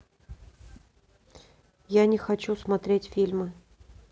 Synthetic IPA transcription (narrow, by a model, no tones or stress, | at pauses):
janʲɪxɐt͡ɕusmɐt̪ɾʲetʲfʲilʲmɨ